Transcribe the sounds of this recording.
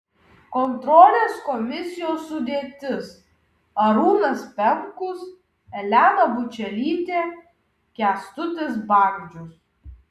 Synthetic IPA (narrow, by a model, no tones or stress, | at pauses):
kɔnt̪ɾɔːlʲeːskɔmʲɪsʲɪjoːsːʊd̪ʲeːt̪ʲɪs | ɐɾuːnɐspʲɛŋkʊs | ɛlʲæːnɐbʊt͡ʃʲɛlʲiːt̪ʲeː | kʲæːst̪ʊt̪ʲɪsbɑˑɡʲd͡ʒʲʊs